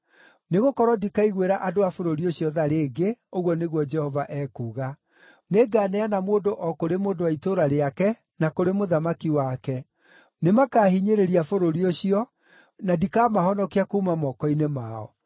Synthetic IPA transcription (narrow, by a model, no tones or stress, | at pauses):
neɣokɔɾwɔdikaiɣweɾaʔadoafoɾoɾioɕjɔðaɾeːɡeoɣwɔneɣwɔd͡ʒɛhɔvaʔɛːkuːɣa | neɡaːnɛanamoːndoʔɔkoɾemoːndowaitoɾaɾeakɛ | nakoɾemoðamakiwakɛ | nemakaːɦiɲeɾeɾiafoɾoɾioɕiɔ | nadikamaɦɔnɔkeakuːmamɔkɔinemaɔ̰